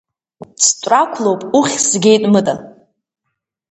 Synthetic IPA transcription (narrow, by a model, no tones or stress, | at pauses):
t͡sʰt͡ʃʷʼrakʷʰlowpʼuχʲzɡʲejtʼmɨtʼa